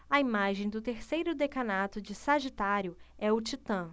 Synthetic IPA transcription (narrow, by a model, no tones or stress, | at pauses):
ɐimaʒẽj̃d̪ʊt̪eɾsejɾʊd̪ekɐnat̪ʊd͡ʒɪsaʒit̪aɾjʊɛʊt͡ʃit̪ɐ̃